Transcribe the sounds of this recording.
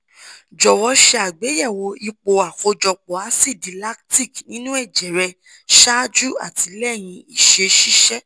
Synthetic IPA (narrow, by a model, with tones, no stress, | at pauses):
d͡ʒɔ˨wɔ˧˦ʃɛ˧a˨ɡ͡be˨˦jɛ˦˨wo˧i˧k͡po˧a˨ko˧d͡ʒɔ˨k͡pɔ˨a˨˦si˦˨di˨˦la˦kti˦˨knĩ˦nũ˦ɛ˦˨d͡ʒɛ˨ɾɛ˧ | ʃa˦d͡ʒu˦a̰˦˨ti˧˦lɛ˦˨j̃ĩ˧i˦˨ʃe˧ʃi˦ʃɛ˦